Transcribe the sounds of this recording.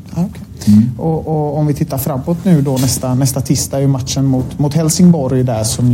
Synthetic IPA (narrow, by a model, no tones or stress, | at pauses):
aɔkʰɛ | ɔɔɔmvɪt̪ʰɪt̪ːaɾfɾamːoːt̪nʉ̟ːd̪ɔnɛst̪anɛst̪at̪ʰɪst̪aæɾjɵmat̪ʂənmʊt̪mʊt̪hɛlsɪŋbɔɾjd̪æʂɔm